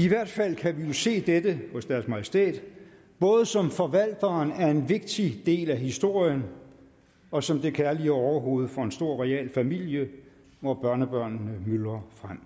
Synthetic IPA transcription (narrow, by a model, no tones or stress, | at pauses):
iʋæɐ̰d̥fæl̰kʰæʋijo̝se̝̰ːd̥edəhɔ̽sd̥æɐsmæjsd̥e̝̰ːd̥ | b̥ɔ̽ːð̞ˠəsɒ̽mfɒ̽ʋæl̰d̥ɐːnæɐe̝nʋe̝ɡ̥̚d̥id̥e̝̰ːlæhisd̥o̝ɐ̰jən | ɒ̽sɒ̽md̥e̝kʰæɐliəɒʊɐɦo̝ːð̞̩ˠfɒ̽e̝nsd̥o̝ɐ̰ʁɛɛ̰ːlfæmil̰jə | ʋɒb̥ɶɐnəb̥ɶɐ̰nnəmylɐfʁam̰